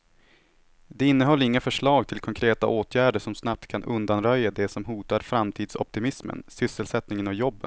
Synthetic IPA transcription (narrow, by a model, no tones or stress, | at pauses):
d̪ɛɪnːəɦɔlːəɾɪŋːafœʂɭɑːɡt̪ʰɪlkʰɔŋkʰɾeːt̪a̰ʔoːt̪ʰjæːɖəʂɔmsnap̚t̪kʰanʔɵnd̪anɾœjːad̪ɛsɔmɦuːt̪aɾfɾamt̪ʰiːd̪sɔ̰p̚t̪ɪmɪsmə̰nsʏsːəlsɛt̪nɪŋənɔjɔbːə̰n